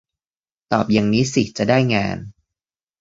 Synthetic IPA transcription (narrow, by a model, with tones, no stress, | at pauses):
t̪ɔː˨˩p̚ja˨˧ŋniː˦˥si˨˩t͡ɕa˨˩daː˥˩jŋa̰ː˧n